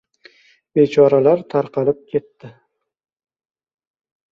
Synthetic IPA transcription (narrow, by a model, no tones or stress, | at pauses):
be̞t͡ʃʰɒɾalaɾt̪ʰaɾqɑlɪp̚kʲʰe̞t̪ːɪ